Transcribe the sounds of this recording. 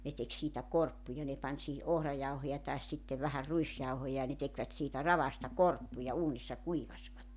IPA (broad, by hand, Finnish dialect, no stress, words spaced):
ne tek siːtæ korpːujɑ ne pɑnʲ sihi ʔohrɑjɑuhojɑ tɑes sitːe ʋæhær ruisjɑuhojɑ jɑ ne tekʋæt siːtæ rɑʋɑstɑ korpːujɑ uːnisːɑ kuiʋɑsʋɑtːe